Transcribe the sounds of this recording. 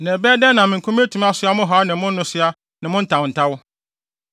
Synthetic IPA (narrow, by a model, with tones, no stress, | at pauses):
nɛ̃˨bɛː˦dɛ˦nã˨mɪ̃˨kʰũ˦m˦e˦tʰũ˨m˦a˦sʊ˦a˦mʊ̃˦ɦa˨˦nɪ̃˨mʊ̃˦nː˦ʊ̃˦sɪ˦a˦ | nɪ̃˨mʊ̃˦n̩˦tʰã˨wn̩˨tʰa˦wʊ˦